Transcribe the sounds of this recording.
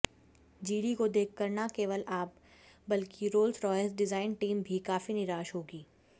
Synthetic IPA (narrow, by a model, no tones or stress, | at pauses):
d͡ʒiːɽikod̪eːkʰːəɾnakeːʋəlaːp̚ | bɐlkiɾoːlsɾɔːəsɖɪzaːɪnʈiːmbʱikaːfinɪɾaːʃɦoːɡiː